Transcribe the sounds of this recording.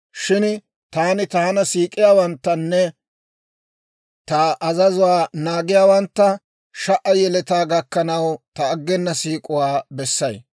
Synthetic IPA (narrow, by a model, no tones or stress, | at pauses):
ʃɪn | t̪aːnɪt̪aːnɐsiːkʼɪjaːwɐnt̪ːɐnːɛ | t̪ɐʔːzɐzʊwaːnaːɡɪjaːwɐnt̪ːɐ | ʃɐʔɐjɛlɛt̪aːɡɐkːɐnɐwt̪ɐːɡːɛnːɐsiːkʼʊwaːbɛsːɐj